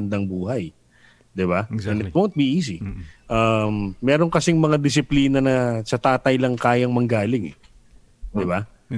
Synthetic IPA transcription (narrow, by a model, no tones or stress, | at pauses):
nd̪ɐŋbuːɦɐj | d̪ɪbaɛnɪt̪̚wont̪̚biʔiːs̬ɪʔɐmːɛːɾoŋkɐsɪŋmɐŋad̪ɪs̬ɪpliːnɐnɐsɐt̪aːt̪ɐjlɐŋkaːjɐŋmɐŋɡaːlɪŋɛ̰ | d̪ɪba